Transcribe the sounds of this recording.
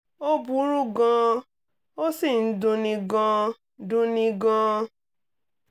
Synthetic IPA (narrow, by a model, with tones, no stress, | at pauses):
o˦bu˨˦ɾu˦ɡɔ̃˧ | o˦si˦˨n̩˦dũ˧nĩ˧ɡɔ̃˧ | dũ˧nĩ˧ɡɔ̃˧